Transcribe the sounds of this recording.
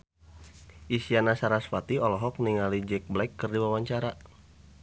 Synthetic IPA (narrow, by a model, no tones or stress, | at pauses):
ʔisianasaɾasfat̪iɔlɔɦɔk̚niŋalid͡ʒɛk̚blɛkːɨrdiwawaɲt͡ʃaɾa